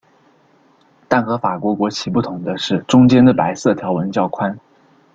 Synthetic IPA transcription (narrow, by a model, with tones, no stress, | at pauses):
t̪a˥˩nxɤ˧˥fa˨˩kwɔ˧˥kwɔ˧˥t͡ɕʰi˧˥pu˥˩t̪ʰʊ˧˥ŋd̪ə˧ʂɻ̩˥˩ʈ͡ʂʊ˥ŋt͡ɕjɛ˥nd̪ə˨pa˧˥ɪsɤ˥˩t̪ʰjɑ˧˥ʊwə˧˥nt͡ɕjɑ˥˧ʊkʰwa˥n